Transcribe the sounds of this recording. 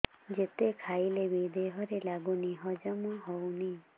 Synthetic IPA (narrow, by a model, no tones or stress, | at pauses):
d͡ʒet̪ekʰailebid̪eɦɔɾelaɡuniɦɔd͡ʒɔmɔɦowni